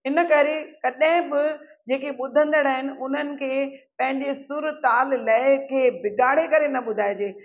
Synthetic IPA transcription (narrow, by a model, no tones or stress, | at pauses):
ɦɪnəkɐɾekɐɗɦɪ̃bɪ | d͡ʑeːkeɓʊd̪ʱə̃nd̪əɽaːɦɪnɪ̆ʊn̤ənɪ̆kʰeːpɐ̃ɦɪ̃ɲd͡ʑesʊɾt̪aːllɐɪkʰeːbɪɡaːɽ̤ekɐɾenɐɓʊd̪ʱaːɪd͡ʑeː